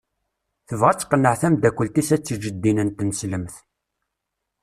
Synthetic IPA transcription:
θəvʁæt͡sːqːənːəʕθæmd̪ækʷːəlt̪isæt͡sːəd͡ʒəd̪ːinənt̪nəsləmθ

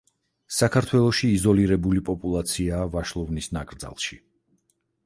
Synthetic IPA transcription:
sakʰaɾt̪ʰwɛlˠɔʃiːzɔliɾɛbulipʼɔpʼulˠat̪sʰiaːvaʃlˠɔvnisnakʼɾd̪za̰lˠʃi

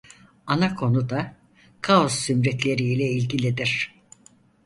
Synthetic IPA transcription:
anakʰo̞nud̪a | kʰao̞sːymɾɛt̪lʲe̞ɾiːlʲɛilʲɟilʲid̪iɾ̝̥

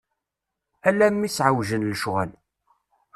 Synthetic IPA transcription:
ælæmːisʕawʒənləʃʁæl

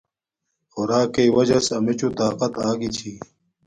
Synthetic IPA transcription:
xʊɾaːkeiwɐd͡ʑɐsɐmit͡ɕut̪aːqɐt̪aːɡit͡ɕʰiː

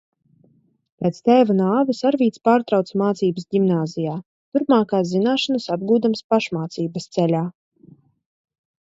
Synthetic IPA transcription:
pʲɛːt̪st̪ɛːvanaːvɨsaɾvʲiːt̪spaːɾt̪ɾawt̪smaːt̪siːbəsdʲimnaːzijaː | t̪uɾpmaːkaːszinaːʃanɐsab̚ɡuːd̪amspaʃmaːt̪siːbɐst̪sɛlʲaː

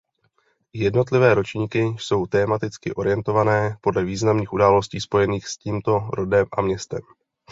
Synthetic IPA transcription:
jɛdno̞t̪lɪvɛːɾo̞t͡ʃɲiːkɪso̞wt̪ɛːmat̪ɪt͡skɪʔo̞ɾɪjɛnt̪o̞vanɛːpo̞dlɛviːznamniːxʔudaːlo̞sciːspo̞jɛniːxsciːmt̪o̞ɾo̞dɛmʔa̰mɲɛst̪ɛm

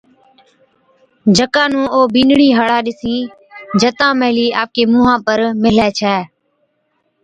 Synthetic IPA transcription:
d͡ʒʱəkãːnũːʔoːbĩːnɳiːɦəɽaːɗɪsĩː | d͡ʒət̪ãːməɦliːa̰ːp̚keːmũːɦãːpəɾmɪlɛːt͡ʃʰɛː

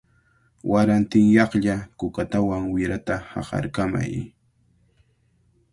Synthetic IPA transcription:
wʔaɾant̪ɪŋjɑχʎakʊkat̪awaŋwɪɾat̪ahɑ̰χɑ̰ɾkama̰j

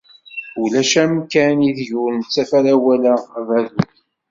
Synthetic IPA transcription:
ulæʃæmkæniðʝʊɾnt͡sːæfæɾawælævæðuθ

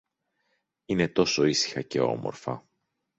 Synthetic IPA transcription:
ine̞t̪o̞so̞isi̥xɐce̞̰o̞̰mo̰ɾfɐ̰

